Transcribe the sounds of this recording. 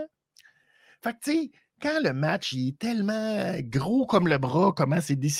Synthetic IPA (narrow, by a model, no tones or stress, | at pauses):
fak̚se | kãləmat͡ʃɛt̪ɛlmãɡʁokɔmləbʁɔkɔmãsed̪es